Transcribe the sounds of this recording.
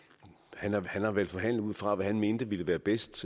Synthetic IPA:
hænɑhænhɑ̈ʋæɐd̥fɒ̽ɦæn̰l̩ˠuð̰ˠfʁɑ̈ʋæhænme̝ːnd̥əʋiləʋæːɐb̥esd̥

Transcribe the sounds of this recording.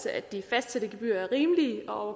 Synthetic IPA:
səʔæd̥ifæsd̥sed̥əɡ̥eb̥y̰ːɐæɐʁiːmliːɒ̽ɒʊɐ

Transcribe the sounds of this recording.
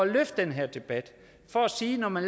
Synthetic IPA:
ɒløfd̥enɦeɐ̰d̥e̝b̥æd̥ | fɒ̽æsiːnɒmænl

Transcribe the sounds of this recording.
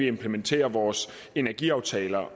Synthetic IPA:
iempʰlement͡sʰe̝̰ːɐʋɒːs | e̝næɐɡ̥ḭɑ̈ʊt͡sʰɛːlɐ

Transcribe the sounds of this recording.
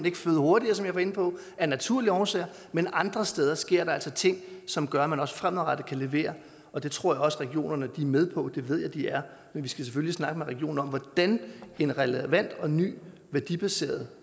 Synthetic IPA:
ne̝ɡ̥əføːð̩ˠho̝ɐɾ̥iɐsɒ̽mjɑ̈ɪʋɑ̈e̝npʰɒ̽ | æɐnæt͡sʰuɐ̰liɒʊsḛɐ | menɑ̈nd̥ʁɐsd̥eːð̞ˠɐsɡ̥e̝ɐ̰ɾ̥ɑ̈æl̰sɒt͡sʰe̝ŋ̰sɒ̽mɡ̥ɶɐæmænɒ̽sfʁam̰ð̩ˠʁɑ̈ɾ̥əkʰæle̝ʋe̝̰ːɐ | ɒ̽d̥e̝t͡sʰʁo̝ɐ̰jɑ̈ɒ̽səʁɛɡ̥io̝̰ːnɐnəd̥imeð̞ˠpʰɒ̽d̥e̝ʋeð̞̰ˠjɑ̈ɪd̥iæɐ | menʋisɡ̥æsefølisnɑ̈ɡ̥əmeʁɛɡ̥io̝̰ːn̩ɒ̽mʋɒd̥ænenʁɛləʋæn̰d̥ɒ̽ny̰ː | ʋæɐd̥ib̥æse̝̰ːɐð̞̩ˠ

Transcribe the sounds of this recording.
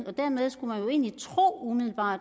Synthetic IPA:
ɒ̽d̥æɐmeð̞ˠsɡ̥umænjo̝e̝̰ːnlit͡sʰʁo̝̰ːumiðˠl̩b̥ɑ̰̥̈ː

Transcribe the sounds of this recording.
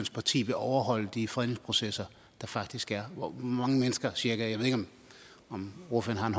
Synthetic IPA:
nspʰɑ̈t͡sʰḭːb̥eʔɒʊɐɦɒ̽l̰əd̥ifɒen̰eŋspʰʁo̝sesɐ | d̥ɑ̈fɑ̈ɡ̥d̥isɡ̥æɐʋɒmɑ̈ŋəmenəsɡ̥ɐsiɐɡ̥ɐjɑe̝ðˠeɡ̥ɒ̽m | ɒ̽mʁoføɐn̩hɑ̈e̝nɦ

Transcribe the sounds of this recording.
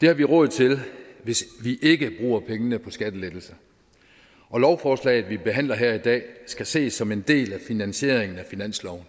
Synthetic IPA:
d̥e̝hɑ̈ʋiʁɔ̽ð̩ˠt͡sʰe̝lʋe̝sʋiʔe̝ɡ̥əb̥ʁṵːɐpʰeŋənəpʰɒ̽sɡ̥æd̥əled̥l̩sɐ | ʔɒ̽lɒʊfɒːslɛ̰ɪð̩ˠʋib̥e̝ɦæn̰lɐɦeɐ̰id̥ɛ̰ːsɡ̥æse̝̰ːsːɒ̽me̝nd̥e̝̰ːlæfinænɕe̝ɐ̰eŋn̩æfinæn̰slɒʊn̩

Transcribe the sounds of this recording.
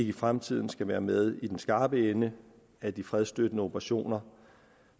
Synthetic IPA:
e̝ɡ̥əifʁamt͡sʰið̞̰ˠn̩sɡ̥æʋæːɐmeð̞ˠid̥ensɡ̥ɑ̈ːb̥əenə | æd̥ifʁɛð̞ˠsd̥ød̥ənəob̥ʰɐʁaɕo̝̰ːnɐ

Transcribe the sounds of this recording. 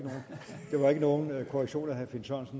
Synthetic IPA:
əno̝ːnd̥e̝ʋɑ̈e̝ɡ̥əno̝ːn̩kʰoʁeɡ̥ɕo̝̰ːnæɦæfinsɒ̰nsn

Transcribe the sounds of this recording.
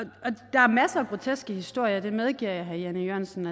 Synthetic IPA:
ɒ̽d̥ɑ̈æɐmæsəːɡ̥ʁo̝t͡sʰesɡ̥əhisd̥o̝ɐ̰jɐd̥e̝með̞ˠɡ̥iɐ̰jɦæɐjænijøɐ̰nsn̩æ

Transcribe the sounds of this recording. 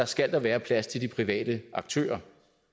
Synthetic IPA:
ɑ̈sɡ̥æl̰d̥ɑʋæːɐpʰlæst͡sʰe̝ldipʰʁiʋɛ̰ːd̥əɑ̈ɡ̥̚t͡sʰø̰ːɐ

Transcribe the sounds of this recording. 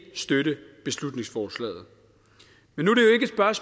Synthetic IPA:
sd̥øɾəb̥e̝slud̥ne̝ŋsfɒːslɛ̰ːð̞̩ˠ | menːuɾe̝jo̝e̝ɡ̥əsb̥ɶɐs

